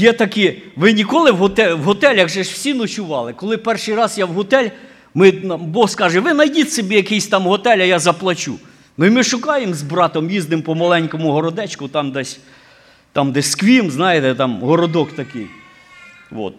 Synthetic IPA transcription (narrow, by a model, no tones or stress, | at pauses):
jɛt̪ɐkɪʋɪnʲikɔlˠɪwɦɔt̪ɛwɦɔt̪ɛlʲɐɣʒɛʃw̥sʲinʊt͡ʃʊʋɑlˠɪkɔlˠɪpɛrʃɪjɾɑzjawɦɔt̪ɛlʲ | mɪnbɔhskɑʒɛʋɪnɐjdʲit̪sebʲijɐkɪjsʲt̪ɑmɦɔt̪ɛlʲɐjazɐplˠɐt͡ʃṵ | nɪmɪʃʊkɑjemzbɾɑt̪ɔmjiznɪmpɔmɐlˠɛnʲkɔmʊɦɔɾɔd̪ɛt͡ʃkʊt̪ɑmd̪ɛsʲ | t̪ɑmd̪ɛsʲskʋʲimznɑjɪt̪ɛt̪ɑmɦɔɾɔd̪ɔkt̪ɐkɪ̰j | ʋɔ̰t̪̚